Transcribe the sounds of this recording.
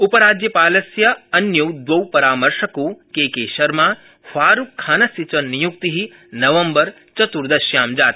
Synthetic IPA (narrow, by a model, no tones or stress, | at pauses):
upɐɾaːd͡ʒjɐpaːlɐsjɐɐnjɐwd̪ʋɐwpɐɾaːmɐɾʃɐkukeːkeːʃɐɾmaː | faːɾukʰːaːnɐsit͡ʃɐnːijuk̚t̪iɦi | nɐʋɐmbɐɾ | t͡ʃɐt̪uɾd̪ɐʃjaːmd͡ʒaːt̪